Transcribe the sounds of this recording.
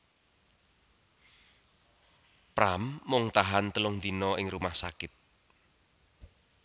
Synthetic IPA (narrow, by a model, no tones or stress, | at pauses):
pɾamːʊŋt̪aɦant̪əlʊŋd̪inɔɪŋrumahsa̰kɪt̪̚